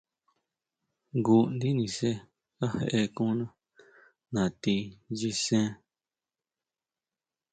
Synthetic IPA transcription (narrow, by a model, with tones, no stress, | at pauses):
ɡu˧nd̪i˦nĩ˨se˦ | ka˦hḛ˧ʔe˧kũ˦nã˦ | nã˨t̪i˧d͡ʒi˧sẽ˦